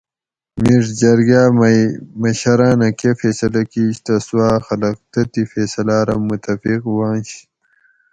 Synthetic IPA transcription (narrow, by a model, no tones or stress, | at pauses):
miʐd͡ʑɐɾɡaːmmɐɕɐɾaːnɐkefeːsɐlɐkiːɕt̪ɐsuwaːxɐlɐq̚t̪ɐt̪ifeːsɐlaːɾɐmːut̪ɐfiqwãːnɕ